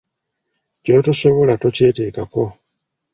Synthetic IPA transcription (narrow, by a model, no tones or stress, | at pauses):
co̞tosoβo̞latoce̞ːteːkako̞